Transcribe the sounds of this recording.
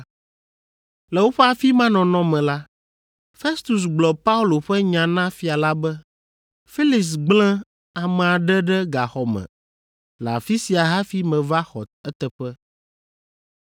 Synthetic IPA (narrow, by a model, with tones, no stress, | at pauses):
lɛ˨wo˦ɸɛ˦a˨fi˦mã˦nɔ̃˨nɔ̃˦mɛ̃˨la˦ | fe˦st̪u˨s̬ɡ͡blɔ˨pa˦u˦lo˨ɸɛ˦ɲã˨nã˦fi˨a˨la˦bɛ˦ | fi˦li˨ks̬ɡ͡blɛ̃˦ | a˨mɛ̃˨a˨ɖɛ˦ɖɛ˦ɡa˨xɔ˨mɛ̰̃˨ | la̰˨fi˦si˨a˨ɦa˦fi˦mɛ̃˨va˦xɔ˨tɛ˦t̪ɛ˨ɸɛ˦